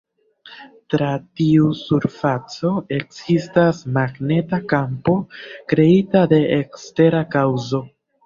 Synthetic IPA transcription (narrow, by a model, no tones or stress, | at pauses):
tɾatiusuɾfat͡so̞e̞kz̥istasmaɡne̞takampo̞kɾe̞itade̞ʔekste̞ɾakawzo̞